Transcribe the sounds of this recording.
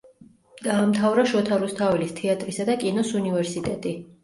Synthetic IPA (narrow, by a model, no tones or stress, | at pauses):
ɡ̥aːmt̪ʰavɾaʃɔt̪ʰaɾust̪ʰavilist̪ʰɛat̪ʼɾisad̪akʼinɔsunivɛɾsit̪ʼɛt̪ʼi